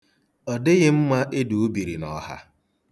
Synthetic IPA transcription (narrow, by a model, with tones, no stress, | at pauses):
ɔ˨dɪ˦ɣɪ˦m̩˦ma˦ʔe˦du˨u˦bi˨ɾi˨nɔ˨ha̰˦